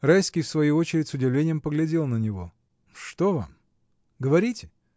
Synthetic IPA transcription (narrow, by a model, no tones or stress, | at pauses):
rajskʲɪjfsvɐjuot͡ɕɪɾʲɪtʲsʊdʲɪvlʲenʲɪjəmpəɡlʲɪdʲe̞lˠnənʲɪvo̞̰ | ʂt̪ova̰m | ɡəvɐɾʲitʲɪ